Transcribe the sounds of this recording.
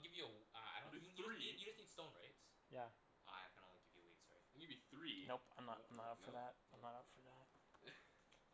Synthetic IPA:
lˠɡɪvjɨəʌa̰ɪijɨd͡ʒʌsnitstõʊ̃nɹḛɪts | jæ | ʔa̰ɪaɪkʰɨ̃nõʊ̃nliɡɪvjɨlḭdsɹḛɪɨ̃njɨbiθɹinoʊãɪ̃mnəãɪ̃mnəɾʌpfə˞ðæt̚ãɪ̃mnəɾʌpfə˞ðæt̚

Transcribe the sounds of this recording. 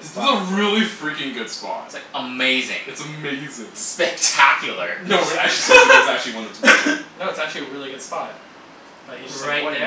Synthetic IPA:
sʌzəɹɪlˠifɹikɪ̃ŋɡʊd̥spɑ̰ttslaɪkəmeɪzɪ̰̃ŋɨtsəmeɪzɪ̃ŋspɛk̚tʰækʰjl̩ˠə̰˞noʊæk̚t͡ʃ̩ˠisæk̚t͡ʃʉl̩ˠiwɑ̃nɨtʰnoʊɨtsæk̚t͡ʃʉl̩ˠiɨɹɪlˠiɡʊd̥spɑ | b̥ʌtɨaɪ

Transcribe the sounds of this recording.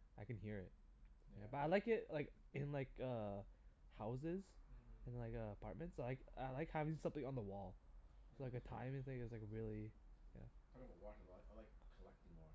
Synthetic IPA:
aɪkɨ̃n̩hiɹɪt̚ | jjæbʌɾaɪlaɪkɪtlaɪkɪ̃nlaɪkʌ | haʊs̬ɪz̥ɨ̃nlaɪkʌəpʰɑ̰ɹt̚mɨ̃ntsaɪlaɪka̰ɪlaɪkhævɪ̃ŋsʌ̃mθɪ̃ŋə̃nðəwɔlˠslaɪkɨtʰã̰ɪ̃mɨ̃nθɪ̃ŋɨzlaɪkɹɪlˠijæ̰wɑkəlaaɪlaɪkkʰəlɛk̚tɪ̃ŋwɔ

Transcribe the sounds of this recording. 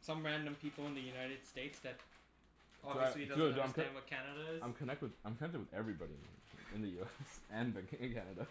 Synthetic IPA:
sʌ̃mɹæ̃ndɨ̃mpʰipl̩ˠə̃nðɨjʉnaɪɾɨd̥steɪtsðɨɾ | ɑbvoiɨslidʌzdãɪ̃mkʰẽɪ̃mwɨ̥kʰænɨɾɨzãɪ̃mkʰɨnɛk̚t̚wɨðãɪ̃mkʰnɛk̚tɨd̚ɨðɛvɹibɑɾĩñ̰ʰɨ̰̃ɨ̃nðɨjʉɛsɨ̃nbɨ̃kɪ̃nkʰænɨɾə

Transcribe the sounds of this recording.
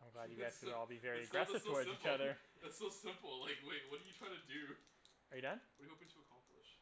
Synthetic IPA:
ãɪ̃mɡlaædjɨɡæstɨɾɔlˠbivɛɹiɨɡɹɛsɨvtətit͡ʃʌðə˞ɨtsoʊsɪ̃mpl̩ˠlaɪkweɪwʌt̚d̥ɨjɨtʰɹ̥aɪɾɨdʉ | ə˞jɨdʌ̃nwʌdjɨhoʊpɪ̃ŋtʰəəkʰɑ̃mplɪʃ

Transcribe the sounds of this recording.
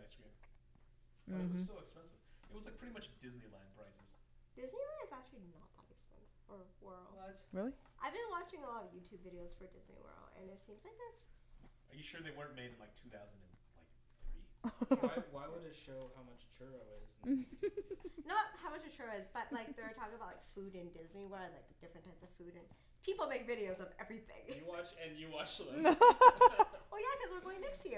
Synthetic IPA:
naɪsɡ̥ẽɪ̃m | ɨt̚w̥soʊɨkspɛ̃nsɨv̥ɨt̚wʌzlaɪpʰɹ̥ɪɾimʌt͡ʃd̥ɪznilæ̃ndpʰɹ̥aɪsɨz̥d̥ɪznilæ̃zæk̚t͡ʃʉl̩ˠinə̰t̪̚ðə̰ɾɨkspɛ̰̃nsfə˞wɜ˞l̩ˠɹɪlˠiʔaɪvbɨ̃nwɑt͡ʃɪ̃ŋəlɔɾʌvjʉtʰʉbvɪɾioʊz̥fə˞dɪznḭwɜ̰˞l̩ˠɨ̰̃nɨtsĩmz̥laɪk̚ðə˞ | ʔə˞jɨʃʊɹðeɪwɜ̃˞nmeɪɾɨ̃n̩laɪk̚tʰʉθaʊz̃n̩dɨ̃n̩laɪk̚ | θɹiɪwaɪwənɨʃoʊhaʊmʌt͡ʃt͡ʃʰɜɹoʊɪzntnət̚haʊmʌt͡ʃʌ̥t͡ʃʰɜɹoʊɨzb̥ʌt̚llaɪk̚ðə˞tʰɔkɪ̃ŋbaʊtlaɪkfuɾɨ̃ndɪzniwɜ˞dlaɪk̚d̥ɪfɹɨ̃ntʰaɪpsʌv̥fʉɾɨ̃n | pʰipl̩ˠmeɪkvɪɾioʊzʌvɛvɹiθɪ̰̃ŋjɨwɑt͡ʃɨ̃njɨwɑt͡ʃ | wɛlˠjækʰʌzwɨɹɡoʊɪ̃ŋnɛkstjɪ

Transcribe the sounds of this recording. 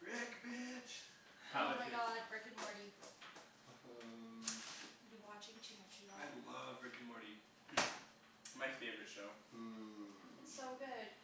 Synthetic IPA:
ɹɪkbɪt͡ʃ | haʊɨɾaɪoaɪk̚bɹɪkɨ̃nmɔɹɾi | biwɑt͡ʃɪ̃ŋt͡ʃʰɛ̃t͡ʃaɪlʌvɹɪkɨ̃nmɔɾi | maɪfeɪvə˞ɨtʃoʊ | ɪtsoʊɡʊd̥

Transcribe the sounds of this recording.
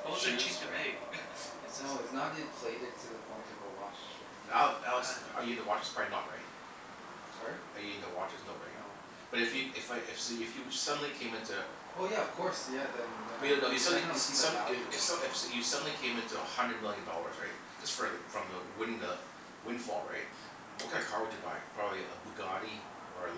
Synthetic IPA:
osɨ̃t͡ʃʰistɨmeɪ̥ | ɪsooʊɪtsnət̚ɨpʰl̥eɪɾɨtʰɨðəpʰɔ̃ɪ̃ntɨowɑt͡ʃ | aaɪlˠsɛə̰˞jɨĩntəwɑt͡ʃɨ̥tsʰpʰɹ̥aĩnə̰t̚ɹa̰ɪt̚ | ɹaɪt̚ə˞jɨĩntəwɑt͡ʃɨznoʊba̰ɾḭo̰ | b̥ʌɾɨfjɨɪfaɪʔɪfsɨfjɨsʌdⁿn̩likʰẽɪ̃mɪ̃ntʰʉ | oʊjæʌv̥kʰɔɹsjæðɨ̃nnojɨsʌdn̩issʌɪfsjɨsʌdⁿn̩likʰẽɪ̃mɪ̃ntʰuəhʌ̃ndɹɨd̚mɪlˠjɨ̃ndɔ̰lˠə̰˞z̥ɹaɪt̚d͡ʒʌsfɹfɹʌ̃mðəwɪ̃n̩ə | wɪ̃n̥fɔlˠɹa̰ɪt̚ | oʊkʰeɪkʰɑɹwɨd͡ʒɨba̰ɪpʰɹ̥ɑbəblilaɪk̚b̥ɨɡɑɾi | ɹaɪ

